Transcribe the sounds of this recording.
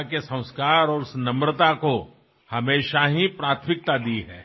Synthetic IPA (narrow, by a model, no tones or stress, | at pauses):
kesɐ̃ʊ̃skaːɾɔːɾʊsnɐmɾət̪ako | hɐmeːʃaɦipɾaːt̪ʰmɪk̚t̪ad̪iːɦɛː